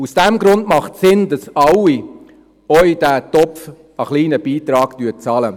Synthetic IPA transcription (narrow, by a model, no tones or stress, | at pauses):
usd̥ɛmɡɾʊndmɑχtsɪndɑsɑwi | œʏd̥æːtɔpf | əχliːnəb̥iːtɾɑːɡtyːt͡sɑlə